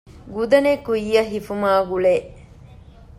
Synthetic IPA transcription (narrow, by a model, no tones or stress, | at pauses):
ɡud̪ɐnekuijːɐɦifumaːɡuɭeː